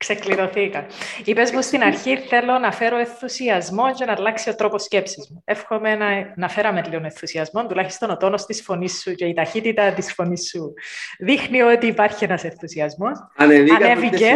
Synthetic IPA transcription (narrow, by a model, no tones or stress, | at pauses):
ksekliɾo̞θikɐipe̞spost̪inɐɾçiθe̞lːo̞nɐfe̞ɾo̞enθusiɐzmo̞ncenɐlɐksio̞t̪ɾo̞posce̞psizmuefxo̞menɐnɐfe̞ɾɐmet̪lionenθusiɐzmo̞nt̪ulɐçi̥st̪o̞not̪o̞nost̪isfo̞nisːuce̞it̪ɐçit̪it̪ɐt̪isfo̞nisːuðixnio̞t̪iːpɐɾçienɐse̞nθusiɐzmo̞sɐneviɐnevice